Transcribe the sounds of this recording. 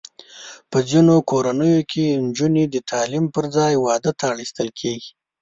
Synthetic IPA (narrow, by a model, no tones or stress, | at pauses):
pəzinokoɾanəjokʰend͡ʒuned̪ət̪ʰɑlimpəɾd͡zɑjwɑd̪ət̪ʰaːɽist̪əlkʰeɡi̥